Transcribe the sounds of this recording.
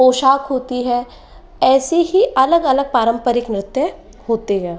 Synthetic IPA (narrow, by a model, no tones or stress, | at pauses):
oːʃaːkɦoːt̪iɦɛː | ɛːsiɦiʔɐləɡɐləɡ̚paːɾə̃mpəɾɪknɾɪt̪ə | ɦoːt̪eɦɛː